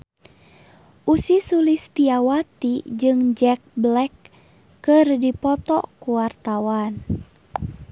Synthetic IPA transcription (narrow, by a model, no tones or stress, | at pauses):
ʔusisulist̪iawat̪id͡ʒɨŋd͡ʒɛk̚blɛkː | ɨrdipɔt̪ɔ̰kuwart̪awan